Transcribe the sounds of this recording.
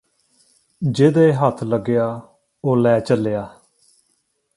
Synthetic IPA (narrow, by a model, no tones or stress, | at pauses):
d͡ʒeːd̪eɦət̪ʰləɡɪjaː | oːlɛːt͡ʃəlːejaː